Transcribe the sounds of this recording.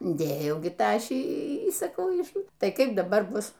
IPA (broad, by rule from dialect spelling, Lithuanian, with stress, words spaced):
ˈdʲeːjɛʊ ˈɡʲɪ ˈtɑːʃʲiː iː sɐˈkɐʊ ˈɪʃ ˈtɐɪ ˈkɐɪp dɐˈbɐr ˈbʊs